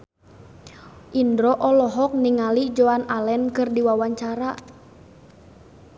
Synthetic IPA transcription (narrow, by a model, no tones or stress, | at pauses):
ʔindɾɔʔɔlɔɦɔk̚niŋalid͡ʒoanalɛnkɨrdiwawaɲt͡ʃaɾa